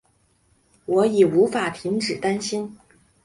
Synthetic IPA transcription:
wɔ˧˥i˨˩u˧˥fa˨˩pʰi˧˥ŋʈ͡ʂɻ̩˨˩t̪a˥nɕi˥n

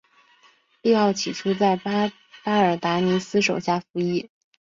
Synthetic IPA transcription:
pi˥˧xɑ˥˩ʊt͡ɕʰi˨˩ʈ͡ʂʰu˥t͡sa˥˩ɪ˥ | pa˥ə˞˨˩t̪a˧˥ni˧˥sɹ̩˥ʂo˨˩ʊɕja˥˩fu˧˥i˥

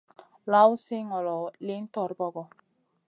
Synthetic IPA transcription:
la˦wsɪ˦ŋɔ˨lɔ˨li˦n˦t̪ɔ˨ɾbɔ˦ɡɔ˨

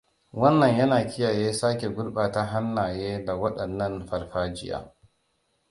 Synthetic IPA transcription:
wɐ˦nːɐ˨ɲjɐ˦naː˨kʲɪ˦jaː˨jeː˦saː˦kʲe˨ɡʷʊ˦ɽɓaː˨ta˦ɦa˦nːaː˨jeː˦da˨wɐ˦ɗɐ˨nːɐ˦nɸɐ˨rɸaː˦d͡ʒɪ˦ja̰ː˦

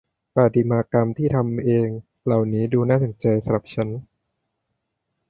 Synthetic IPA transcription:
paː˨˩t̪i˨˩maː˧ka˧mt̪ʰiː˥˩t̪ʰa˧mʔeː˧ŋ | la˨˩wniː˦˥duː˧naː˥˩so˩˦nt͡ɕa˧jsa˧ɾa˨˩p̚t͡ɕʰa˦˥n

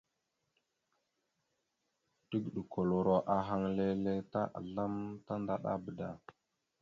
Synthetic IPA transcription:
tə˦ɡɗə˨kʰo˨lo˨ɾo˨ʔa˨ɦa˦ŋle˦le˦ta˦ʔa̰˨la˦mta˦nda˦ɗa̰˦bə˨da˨

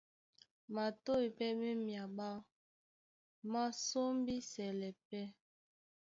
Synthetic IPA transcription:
ma˨to˦i˨pɛ˦me˦mja˨ɓa˦˨ | ma˦so˦m˦bi˦sɛ˨lɛ˨pɛ˦

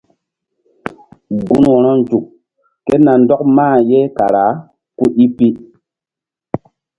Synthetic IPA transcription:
ɡu˦nwɔ˨ɾɔ˦n˦d͡ʒu˨kː | e˦na˨ndɔ˦kmaː˦˨je˦ka˨ɾa˨˦ | ku˦ʔi˦pi˦

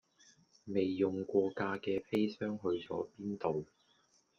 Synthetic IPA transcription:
me˨jːʊ˨ŋkʷɔː˧kaː˧kɛː˧fe˥jsœː˥ŋɦɵ˧ɥt͡sɔ̰ː˨˥piː˥nt̪o˨w

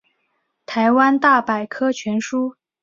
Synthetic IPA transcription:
t̪ʰa˧˥ɪwa˥nt̪a˥˩pa˨˩ɪkʰɤ˥t͡ɕʰɥɛ˧˥nʂu˥

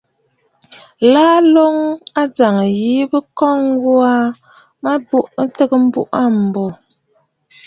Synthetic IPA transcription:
laː˦lo˦ŋa˦d͡za˨ŋə˨ji˦bə˦kɔ˦ŋ˦ɡwa˦ | ma˦bu˦˨ʔtə˦ɡə˦m̩˦bṵ˦ʔa˦˨m̩˨bɔ˨

